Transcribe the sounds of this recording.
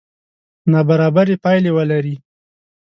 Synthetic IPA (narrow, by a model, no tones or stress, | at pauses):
nabaɾɑbaɾepɑjlewəlaɾi